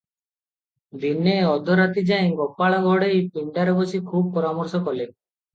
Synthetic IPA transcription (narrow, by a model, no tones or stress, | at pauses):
d̪ineɔd̪ʱɔɾat̪id͡ʒaj̃ɡɔpːaɭɔɡʱɔɽejpiɳɖaɾɔbɔsikʰub̚pɔɾamɔɾsɔkɔle